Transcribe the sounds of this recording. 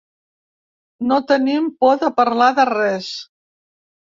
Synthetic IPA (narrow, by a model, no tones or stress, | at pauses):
not̪ənimpɔðəpəɾlaðərɛs